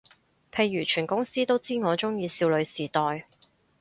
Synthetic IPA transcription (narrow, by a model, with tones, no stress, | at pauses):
pʰe˧jːyː˨˩t͡ʃʰyː˨˩nkʊ˥ŋsiː˥t̪o˥wt͡siː˥ŋɔː˨˧t͡ʃʊ˥ŋjiː˧siː˧wlɵ˨˧ɥsiː˨˩t̪ɔː˨j